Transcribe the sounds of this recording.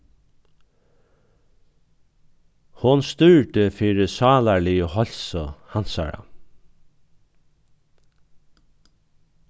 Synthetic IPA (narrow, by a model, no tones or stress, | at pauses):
hʊnst̪ʏɹʈ̪əfiːɹɪsɑːlaɹliəhɔl̥sʊhansa̰ɹa̰